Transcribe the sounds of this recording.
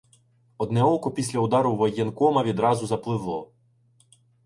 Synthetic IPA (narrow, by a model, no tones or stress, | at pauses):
ɔd̪nɛɔkʊpʲisʲlʲɐʊd̪ɑɾʊʋɔjɛnkɔmɐʋʲid̪ɾɑzʊzɐplˠɪʋlˠɔ